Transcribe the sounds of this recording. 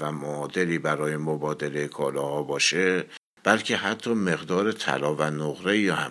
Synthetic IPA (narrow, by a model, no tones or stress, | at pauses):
væmoːd̪e̞liːbæɾɒːjemobɒːd̪e̞lejekʰɒːlɒːhɒːbɒːʃe | b̥ælcʰe̞ɦæt̪ʰːɒːme̞ɣd̪ɒːɾet̪ʰæ̰lɒːvænoɣɾe̞iːɒhæ